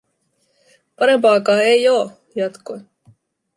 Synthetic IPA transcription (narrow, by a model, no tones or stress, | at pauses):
pɑɾempɑkɑːejoː | jɑt̪ko